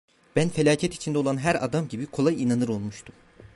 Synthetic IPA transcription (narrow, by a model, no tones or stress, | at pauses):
b̥ænfelʲaːcʰɛt̪i̥t͡ʃʰind̪ɛolˠanɦæɾa̰d̪amɟibikʰo̞lˠajinanɯɾo̞lˠmuʃt̪ʰum